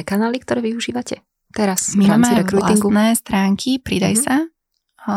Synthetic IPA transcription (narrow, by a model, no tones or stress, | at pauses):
kanaːlik̚t̪ɔɾɛːʋiuʒiːʋacɛ | t̪ɛɾasmimaːmɛɾɛkɾulaisŋɡunɛːst̪ɾaːŋkʰipɾid̪ajsa